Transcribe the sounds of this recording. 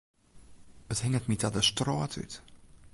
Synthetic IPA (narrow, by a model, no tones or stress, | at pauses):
əthɪŋətmitadəstrɔːtʰy̰t